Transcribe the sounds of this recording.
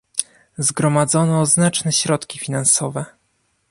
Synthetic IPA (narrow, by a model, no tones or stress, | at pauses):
zɡɾɔmad̪zɔnɔznat͡ʂnɛɕɾɔt̪kʲifʲinansɔvɛ